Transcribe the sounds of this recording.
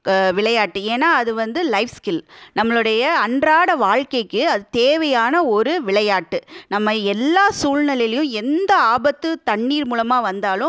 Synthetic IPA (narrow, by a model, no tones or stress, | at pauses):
ʋɪɭɐjaːʈːɯeːnːaːɐðɯʋɐnd̪ɯlɐɪfskɪlnɐmːɐɭɯɽɐjɐɐɳdraːɽɐʋaːɻkɐɪkːɯɐðɯt̪eːʋɐjaːnɐɔɾɯʋɪɭɐjaːʈːɯnɐmːɐɛlːaːsuːlnɐlɪjlɐjʊ̃ɛnd̪ɐaːbɐt̪ːɯt̪ɐɳːiːɾmuːlɐmaːʋɐnd̪aːlʊ̃